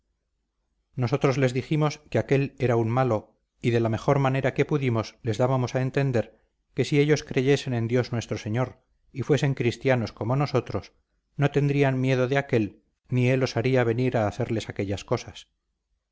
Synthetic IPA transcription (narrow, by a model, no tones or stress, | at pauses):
no̞s̬o̞t̪ɾozle̞zðiximo̞skeake̞le̞ɾaunmalo | iðe̞lame̞χo̞ɾmane̞ɾake̞puðimo̞sle̞zðaβamo̞sae̞nt̪e̞nd̪e̞ɾ | ke̞sie̞ʎo̞skɾe̞ʝe̞se̞ne̞nd̪jo̞znwe̞st̪ɾose̞ɲo̞ɾ | ifwe̞se̞ŋkɾist̪jano̞skomo̞no̞so̞t̪ɾo̞s | no̞t̪e̞nd̪ɾianmje̞ð̞o̞ðeake̞l | nie̞lo̞saɾiaβ̞e̞niɾaːθe̞ɾle̞sake̞ʎasko̞sas